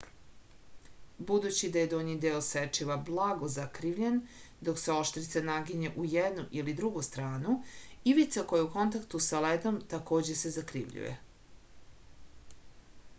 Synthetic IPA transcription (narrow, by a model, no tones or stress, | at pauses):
bud̪ut͡ɕid̪aje̞d̪oɲid̪eoset͡ʃiʋablˠaɡo̞zakɾiʋʎen | d̪o̞kseo̞ʃt̪ɾit̪sanaɡiɲeʔujed̪nuʔilid̪ɾuɡust̪ɾaːnuiʋit̪sakojeuko̞nt̪akt̪usaled̪o̞mt̪ako̞ːd͡ʑe̞se̞zakɾḭʋʎṵjḛ